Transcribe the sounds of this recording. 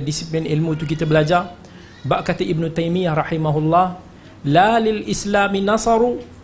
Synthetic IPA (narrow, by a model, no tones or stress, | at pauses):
disiplinʔilmut̪ukit̪abəlad͡ʒar | baʔkat̪aʔɪbnut̪ajmijaɾˤɑħimaɦʊlˤːɑh | lalɪlʔɪslaːminɑsˤɑɾu